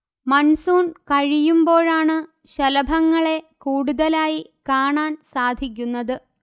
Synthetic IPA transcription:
mɐnsuːnkɐɻijumbo̞ːɻaːɳɨ | ɕɐlɐbʱɐŋːɐɭe̞kuːɽuðɐlaːjikaːɳaːnsaːd̪ʱikʲːunːɐðɨ

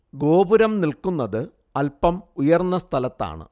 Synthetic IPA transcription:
ɡo̞ːbuɾɐmnilkunːɐðɨ | ɐlpɐmujɐrnːɐst̪ʰɐlɐt̪ːa̰ːɳɨ̰

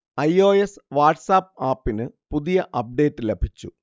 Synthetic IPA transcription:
ɐjo̞ːesʋaːʈsaːp̚ːaːpːinɨpuðijɐʔɐp̚ɖe̞ːt̪ːɨlebʱit͡ɕːu

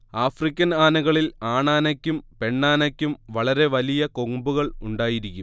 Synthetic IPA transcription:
aːfrikʲːɐnaːnɐɣɐɭilaːɳaːnɐkʲːumpe̞ɳːaːnɐkʲːumʋɐɭɐɾe̞ʋɐlijɐko̞ŋbuɣɐɭuɳɖaːjiɾikʲːum

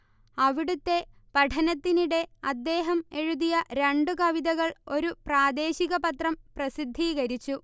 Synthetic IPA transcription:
ɐʋiɽut̪ːe̞ | pɐʈʰɐnɐt̪ːiniɽe̞ɐd̪ːe̞ːɦɐme̞ɻuðijɐɾeɳɖukɐʋiðɐɣɐɭo̞ɾupraːd̪e̞ːɕiɣɐpɐt̪rɐmprɐsid̪ʱːiɣɐɾit͡ɕːu

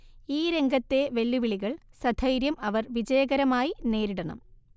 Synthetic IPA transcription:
iːɾe̞ŋɡʱɐt̪ːe̞ʋe̞lːuʋiɭiɣɐɭsɐd̪ʱʰɐjɾjɐmɐʋɐrʋid͡ʑɐjɐɣɐɾɐmaːjine̞ːɾiɽɐɳɐ̰m

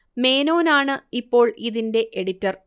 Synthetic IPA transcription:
me̞ːno̞ːnaːɳɨipːo̞ːɭiðinde̞ʔeɽitːɐr

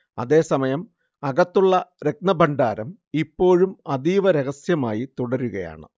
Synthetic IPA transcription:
ɐðe̞ːsɐmɐjɐm | ɐɣɐt̪ːuɭːɐɾe̞k̚nɐbɐɳɖaːɾɐm | ipːo̞ːɻumɐðiːʋɐɾe̞ɣɐsjɐmaːjit̪uɽɐɾuɣɐja̰ːɳɨ̰

